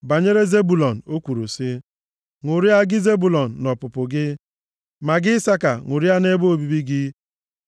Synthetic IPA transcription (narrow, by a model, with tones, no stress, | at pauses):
ba˨ɲe˦ɾe˦ze˦bu˨lɔ˨n̩˨o˦kʷu˨ɾu˨sɪ˦ | ŋʊ˨ɾi˦a˦ɡɪ˦ze˦bu˨lɔ˨n̩ː˨ɔ˨pʊ˨pʊ˨ɡɪ˦ | ma˨ɡɪ˦sa˦ka˨ŋʷʊ˨ɾi˦a˦ne˦bo˦o˦bi˦bi˦ɡɪ˦